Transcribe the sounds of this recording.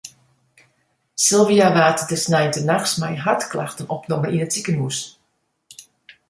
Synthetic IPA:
silˠviaʋaːtdəsnɛjəntənaxsmɛjɦatklaxtənɔpnɔməʔinətikənmus

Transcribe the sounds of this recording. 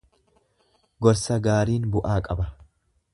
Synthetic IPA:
ɡɔɾsɐɡaːɾiːnbʊʔaːkʼɐbɐ

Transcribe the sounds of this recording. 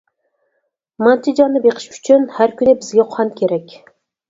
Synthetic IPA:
mɑnt̪ʰɪd͡ʒɑnɨbeqʰə̥ʃy̥t͡ʃʰynhæɾkʲʰynɪbɪzɡʲɛqʰʊɑnkʲʰeɾɛkʲ

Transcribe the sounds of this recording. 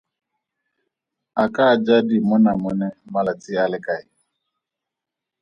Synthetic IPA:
akad͡ʒadɪmʊnamʊnɛmalatɪalɪkaɪ

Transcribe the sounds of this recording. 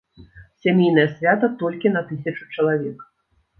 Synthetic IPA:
sʲamʲejn̪ɐjɐsʲvʲat̪ɐt̪ɔlʲkʲinɐt̪ɨsʲɐt͡ʂut͡ʂɐlˠavʲɛk

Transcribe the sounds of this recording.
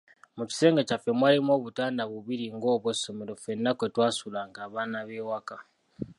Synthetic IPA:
muci̥se̞ːŋɡecafe̞mwaːlimo̞ːβutaːndaβuβiɾiŋɡo̞ːβwoso̞meɾofenːakwe̞twaːsulaŋkaːβaːnaβewaka

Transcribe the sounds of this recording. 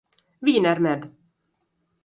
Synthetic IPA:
viːnæɾmɛːd̪

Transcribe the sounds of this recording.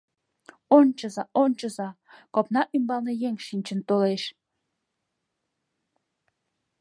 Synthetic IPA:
ont͡ɕə̆zɑʔont͡ɕə̆zɑkopnɑʔymbɑlˠnejeŋʃinʲt͡ɕə̆nt̪oleʃ

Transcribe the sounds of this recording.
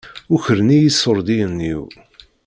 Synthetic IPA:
ʊçəɾnijisːoɾˤd̪iənːiw

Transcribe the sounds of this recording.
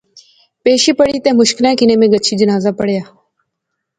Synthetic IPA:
peːʃiːpəɽiːt̪ẽːmʊʃkɪlɛ̃ːkɪnẽːmẽːɡət͡ʃʰiːd͡ʒənaːzaːpəɽɪjaː

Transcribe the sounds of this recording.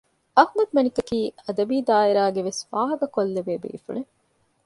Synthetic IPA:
ɐhmɐd̪mɐnikɐkiːɐd̪ɐbiːd̪aːiɾaːɡeʋesʋaːɦɐkɐkolːeʋeːbḛːfṵɭe

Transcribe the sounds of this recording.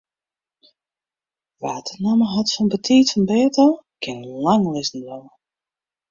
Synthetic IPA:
ʋaːtʰənaməɦɔtfɔnbətʰiːtfɔnbɛːtəkʰɪnlaŋlɪsn̩dɔlə

